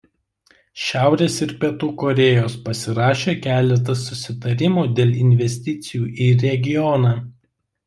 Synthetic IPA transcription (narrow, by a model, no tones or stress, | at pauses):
ʃʲæˑʊɾʲeːsɪɾpʲɛt̪uːkɔɾʲeːjoːspɐsʲɪɾɑːʃʲeːkʲæːlʲɛt̪ɐsːʊsʲɪt̪ɐɾʲɪmoːd̪ʲeːlʲˠɪnʲʋʲɛsʲt̪ʲɪt̪sʲɪjuːʔiːɾʲɛɡʲɪjɔnɑː